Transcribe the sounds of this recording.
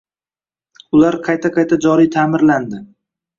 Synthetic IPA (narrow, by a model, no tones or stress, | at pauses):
ʊlaɾqʰɑjt̪ʰaqʰɑjt̪ʰad͡ʒɒɾijt̪ʰamɪɾland̪ɪ